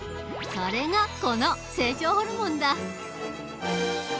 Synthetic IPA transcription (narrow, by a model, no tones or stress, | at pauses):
saɾe̞ŋakonose̞ːt͡ɕoːhoɾɯmõnd̪a